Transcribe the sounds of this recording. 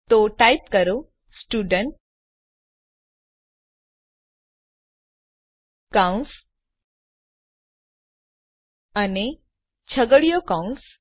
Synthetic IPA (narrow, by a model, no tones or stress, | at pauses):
t̪oʈajpkəɾo | sʈuɖəɳʈ̚ | kaũs | ane | t͡ɕʰəɡəɽijokaũs